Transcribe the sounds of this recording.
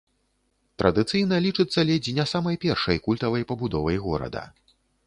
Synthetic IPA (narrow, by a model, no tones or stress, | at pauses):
t̪ɾʔɐd̪ɨt̪sɨjn̪ɐlʲit͡ʂɨt̪sːɐlʲɛd͡zʲinʲasamɐjpʲɛrʂɐjkulʲt̪ɐvɐjpɐbud̪ɔvɐjɣɔɾɐ̰d̪ɐ̰